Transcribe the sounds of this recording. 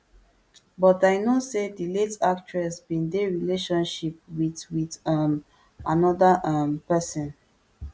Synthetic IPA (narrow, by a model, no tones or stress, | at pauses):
bɔtajnosediletak̚t͡ʃɹɛsbĩndeɹileʃɔ̃nʃip̚widwidam | anɔdaʔãmpɛsɔ̃n